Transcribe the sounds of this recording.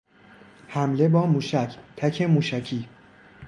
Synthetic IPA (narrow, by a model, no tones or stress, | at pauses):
hæmle̞bɒːmuːʃæcʰt̪ʰæcʰe̞muːʃæcʰiː